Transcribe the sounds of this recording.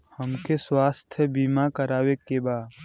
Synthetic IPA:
həmkeswaːst̪ʰjəbiːmakəɾaːwekebaːd

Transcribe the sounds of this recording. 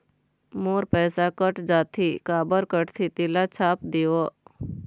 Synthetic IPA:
moːɾpɛːsakəʈd͡ʒaːt̪ʰikaːbəɾkəʈt̪ʰit̪ɪlat͡ʃʰaːpd̪io

